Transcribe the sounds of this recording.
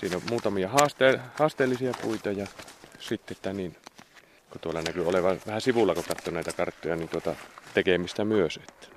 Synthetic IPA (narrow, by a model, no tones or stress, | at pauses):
siːnommuːt̪ɑmijɑhɑːst̪eːhɑːst̪ˑeːlːisiɑpṵit̪ɑjɑsit̪ːeet̪ːænin | kot̪uolːɑnækyoleʋɑʋæhæsiʋulːɑkot̪ɑt̪ːonæˑit̪ækɑrt̪ːojɑnint̪uot̪ɑt̪ekemist̪æmyøset̪ːæ̥